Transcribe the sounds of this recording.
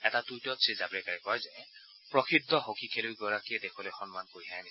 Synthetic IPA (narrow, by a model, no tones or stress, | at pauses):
ɛtatujtɔtsʰizapɹɛkaɹɛkɔɹzɛ | pɹɔkʰidɔɦokikʰelujɡɔɹakiɛdekʰɔlojxɔnmankoɹiajni